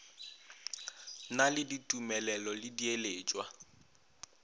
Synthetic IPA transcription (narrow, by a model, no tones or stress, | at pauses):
nalɪditʼumɛlɛlɔlɪdieleːt͡ʃʼwa